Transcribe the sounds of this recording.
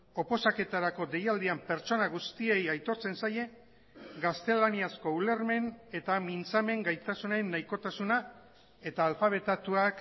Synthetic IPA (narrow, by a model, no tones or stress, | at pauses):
o̞po̞sake̞t̪aɾako̞d̪e̞jald̪iampe̞ɾt͡ʃo̞naɣust̪ie̞jajt̪o̞ɾt͡se̞nsaje̞ | ɡast̪e̞laniasko̞ule̞ɾme̞ne̞t̪amint͡same̞ŋɡajt̪asunaenːajko̞t̪asuna | e̞t̪aːlfaβ̞e̞t̪at̪uak